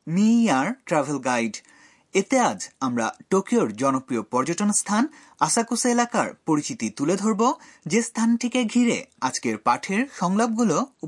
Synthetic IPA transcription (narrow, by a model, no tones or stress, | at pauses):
miaɾʈɾɛbʱelɡajɖ | et̪ead͡ʑamɾa̰ʈokioɾd͡ʑɔnopɾiopɔɾd͡ʑoʈonst̪ʰan | aʃakuselakaɾpoɾit͡ɕit̪it̪uled̪ʱoɾbod͡ʑest̪ʰanʈʰikeɡʱiɾḛad͡ʑkeɾpaʈʰeɾʃɔŋlab̚ɡulou